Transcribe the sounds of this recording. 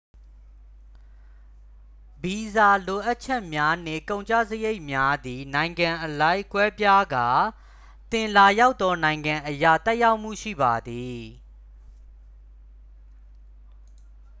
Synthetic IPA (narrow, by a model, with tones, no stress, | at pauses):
bi˨za˨lo˨ʔa˦ʔt͡ɕʰɛ˦ʔmja˦n̥ḛ̃˦˨kõ˨ʊ̃ɲt͡ɕa̰˦˨zəje˦ɪʔmja˦d̪i˨nã˨ɪ̃ŋɡã˨ʔəlã˦ɪ̃kwɛ˦pja˦ɡa˨ | t̪ɪ̃˨la˨ja˦ʊt̪ːɔ˦nã˨ɪ̃ŋɡã˨ʔəja̰˦˨t̪ɛ˦ʔja˦ʊʔm̥ṵ˦˨ʃḭ˦˨ba˨d̪i˨